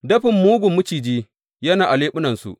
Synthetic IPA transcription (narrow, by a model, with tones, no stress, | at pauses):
dɐ˦ɸɪ˨mːuː˦ɡʷʊ˨mːʊ˦t͡ʃiː˨d͡ʒiː˦ | jɐ˦naː˨ʔa˨leː˦ɓʊ˦nɐ˨nsṵ˨ʔ